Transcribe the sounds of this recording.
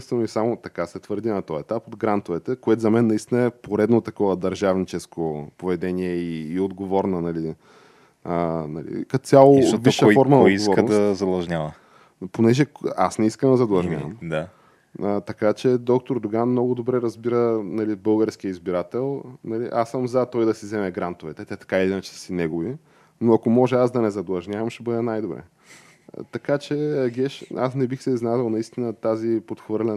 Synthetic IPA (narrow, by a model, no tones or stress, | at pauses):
st̪vɛnisamot̪ɐkasɛt̪vəɾd̪ʲinɐt̪ɔjɛt̪apod̪ɡɾant̪ovɛt̪ɛkoɛt̪zɐmɛnːɐist̪inəɛpoɾɛd̪not̪ɐkɔvəd̪ɐɾʒavnit͡ʃɛskopovɛd̪ɛniɛiːod̪ɡovɔɾnɐnɐli | ənɐ̰lḭkɐt̪sʲjalˠob̪iʃfɔɾmɐnɐoɡiɡosɔɾəd̪ɐszɐd̪lˠɐʒɲʲavə | ponɛʒɛa̰snɛiskəmd̪ɐzɐd̪lˠɐʒnʲɲʲa̰vɐ̰md̪a | ət̪ɐkat͡ʃɛd̪ɔk̚t̪oɾd̪oɡanmnɔɡʊd̪obɾɛɾɐzbiɾənɐlibɤlˠɡəɾsk̟iəizbiɾat̪ɛlˠnɐliʔasːəmzɐt̪ɔjd̪ɐsizɛmɛɡɾant̪ovɛt̪ɛt̪ɛt̪ɐ̥kailiinɐt͡ʃɛ̥sinɛɡovi | noɐkomɔʒɛasd̪ɐnɛzɐd̪lˠɐʒnʲjavɐmʃt̪ɛbɤd̪ɛnajd̪obɾɛ̰ | t̪ɐkat͡ʃɛɐɡɛʃasnɛbixsɛznad̪əlˠnɐist̪inət̪azipot̪xvɤɾlʲɛ